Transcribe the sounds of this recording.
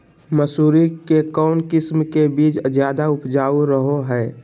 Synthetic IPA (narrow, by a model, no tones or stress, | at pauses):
məsuːɾikekɔːnkɪsmkebiːt͡ʃzjaːd̪aʊpd͡ʒaːuɾəɦoɦɛː